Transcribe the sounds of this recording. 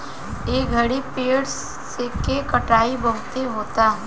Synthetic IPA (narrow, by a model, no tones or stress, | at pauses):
eːɡʱɐɽipeːɽs | sekekɐʈaːibɐɦt̪eɦoːt̪aɦ